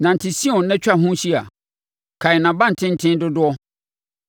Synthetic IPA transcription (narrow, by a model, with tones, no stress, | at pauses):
nã˨n̩˨tʰɪ˨sĩ˦ɔ̃˨nɛ̃˦t͡ɕᶣa˨ɦʊ̃˦ɕi˦a˨ | kʰa˨ɪ˨nã˨bã˦n̩˨tʰɪ̃˦n̩˦tʰɪ̃˦n˦dʊ˦dʊ˦ɔ˦